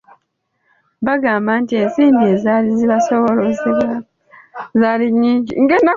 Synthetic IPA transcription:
βaɡaːmbantie̞nsiːmbie̞zaːliziβasoβolozia | zaliɲːiːɲɟḭŋɡena

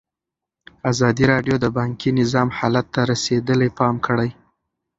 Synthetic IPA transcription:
azɑd̪iɾɑɖjod̪əbɑŋkinɪzɑmhɑlat̪ːaɾased̪əlepɑmkəɽaj

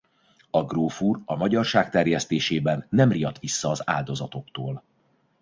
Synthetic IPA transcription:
ɒɡroːfurɒmɒɟɒrʃaːk̚t̪ɛrjɛst̪eːʃeːbɛnːɛmrijɒt̪ʋisːɒːza̰ːld̪o̞zɒt̪o̞kt̪oːl

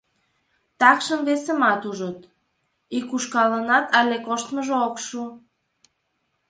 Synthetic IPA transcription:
t̪ɑkʃəmβesə̆mɑt̪uʒot̪ | ikuʃkɑlənɑt̪ɑlʲekoʃt̪məʒookʃu

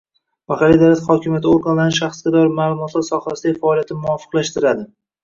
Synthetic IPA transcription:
maχalːijd̪awlat̪χɒkʲʰɪmjat̪ʰoɾɡanlanɪʃ̬aχsɡʲad̪ɒɾmaːlˠʊmɒt̪ʰlaɾsɒχasɪd̪aɡʲɪfaɒːlijat̪ʰɪmʊɒfɨ̥qlaʃt̪ɪɾad̪ɪ

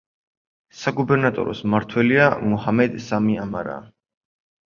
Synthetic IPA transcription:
saɡubɛɾnat̪ʼɔ̰ɾɔsmaɾt̪ʰwɛliamuhamɛd̪samiamaɾa̰ː

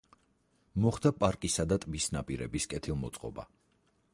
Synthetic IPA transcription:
mɔχd̪apʼaɾkʼisad̪at̪ʼbisnapʼiɾɛbiskʼɛt̪ʰilˠmɔt̪sʼqʼɔ̰ba̰

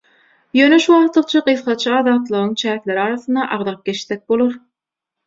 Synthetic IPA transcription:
jøːneʃuwɑʁt̪lˠɯq̚t͡ʃʰɑɢɯθχɑt͡ʃʰɑɑðɑːt̪lˠɯʁɯŋt͡ʃʰæːkʲlʲeɾɑːɾɑθɯnd̪ɑʔɑʁd̪ɑp̚ɡʲe̞ʃθek̚bolˠoɾ

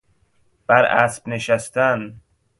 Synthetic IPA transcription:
b̥æɾæ̰sbneʃæst̪æn

